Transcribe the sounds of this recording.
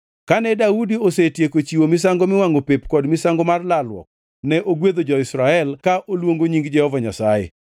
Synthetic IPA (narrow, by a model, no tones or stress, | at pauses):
kanɛdaudiosetjekot͡ʃiwomɪs̬aŋɡomɪwaŋopepkɔdmɪsaŋɡomarlalwɔ̰k̚ | nɛʔoɡwed̪od͡ʒɔɪsɾaɛlkaʔolwoŋɡoɲiŋɡd͡ʒɛhɔvaɲa̰sajḛ